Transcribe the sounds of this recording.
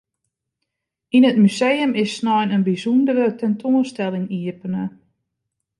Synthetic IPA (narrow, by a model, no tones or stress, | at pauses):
inətmysejəmɪsnɔjnənbizundəɾətɛntʰoənstɛlˠɪŋiəpənə